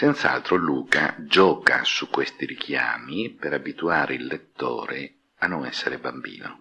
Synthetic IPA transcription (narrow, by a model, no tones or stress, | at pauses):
sent̪saa̰lt̪ɾoluːka̰d͡ʒɔːka̰sukːwest̪iɾikʰja̰ːmipeɾabit̪uaːɾʔeilːet̪ːo̰ːɾe | anːoŋɛsːeɾebambḭːno̰